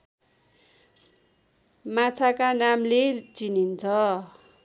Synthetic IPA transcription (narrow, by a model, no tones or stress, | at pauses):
mat͡sʰakanamlet͡sinint͡sʰʌ